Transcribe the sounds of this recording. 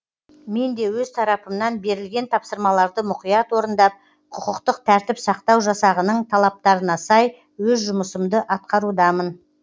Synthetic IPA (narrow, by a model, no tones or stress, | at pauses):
me̞nd̪e̞wɵzt̪ʰɑɾɑpəmnɑnbe̞ɾɪlɡʲe̞nt̪ʰɑpsəɾmɑlˠɑɾd̪əmʊqijɑt̪wo̞ɾənd̪ɑp̚ | qʰʊqəqt̪əq̚t̪ʰæɾt̪ɪpsɑqt̪ɑwʒɑsɑʁənəɴt̪ʰɑlˠɑp̚t̪ɑɾənɑsɑj | wɵzʒʊməsəmd̪əʔɑt̪̚qɑɾud̪ɑmən